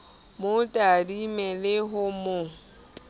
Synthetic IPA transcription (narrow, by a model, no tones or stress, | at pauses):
mʊtʼadimɛlɪɦʊmʊ